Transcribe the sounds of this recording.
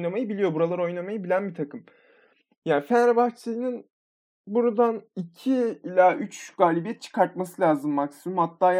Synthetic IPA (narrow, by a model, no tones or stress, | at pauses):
namajɯbilʲijo̞buɾalˠaɾo̞jnamajɯbilʲænbit̪ʰakʰɯm | jaːfænɾabaxt͡ʃʰejinin | buɾad̪anicʰiilʲaʔyt͡ʃɡ̥aːlʲibijɛt̪̚t͡ʃʰɯ̥kaɾt̪̚masɯlʲaːzɯmːaksimɯmhat̪ːaːj